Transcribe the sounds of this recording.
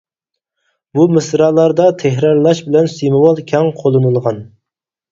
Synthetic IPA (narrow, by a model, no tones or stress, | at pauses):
bumɨsɾɑːlˠɑɾd̪ɑt̪ʰeɦɾɑɾlˠɑʃbɪlɛnsimɨwɑlˠkʲʰɛŋqʰolˠɨnulˠʁɑn